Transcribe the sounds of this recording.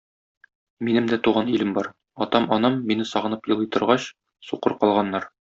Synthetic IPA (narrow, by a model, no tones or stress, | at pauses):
minɘmd̪æt̪uʁɑnilɘmbɒɾ | ɒt̪ɑmɒnɤmːinɘsɒʁɤ̆nɤpjɤ̆lˠɤt̪ɤ̆ɾʁɑɕ | suqɤɾqɒlˠʁɑnːɑɾ